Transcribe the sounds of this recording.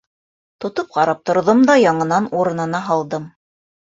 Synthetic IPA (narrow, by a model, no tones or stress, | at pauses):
t̪ŏt̪op̚qɑɾɑp̚t̪ŏɾðomd̪ɑjɑɴɤ̆nɑnuɾɤ̆nɤ̆nɑɦɑlˠd̪ɤm